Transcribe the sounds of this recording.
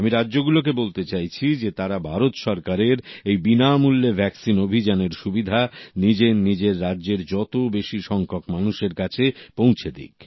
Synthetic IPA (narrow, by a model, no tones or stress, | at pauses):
amiɾadːʑoɡulok̬ebolt̪et͡ɕajt͡ɕʰid͡ʑet̪aɾabʱaɾot̪ʃɔɾkaɾeɾejbinamulːebʱɛksinobʱid͡ʑaneɾʃubid̪ʱanid͡ʑenid͡ʑeɾːadːʑeɾd͡ʑɔt̪obeʃiʃɔŋkʰokmanuʃeɾkat͡ɕʰepõw̃t͡ɕʰed̪ḭk